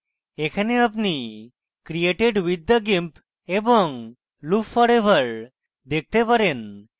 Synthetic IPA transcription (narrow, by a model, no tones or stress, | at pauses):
ekʰaneapni | kɾieʈeɖwid̪ʱːaɡimp | ebɔŋ | lupfɔɾebʱaɾ | d̪ek̚t̪epaɾen